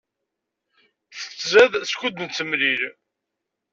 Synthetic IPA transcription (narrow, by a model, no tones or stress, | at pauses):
θə̥t͡sːzæðskʷʊd̪nt͡sːəmliɾ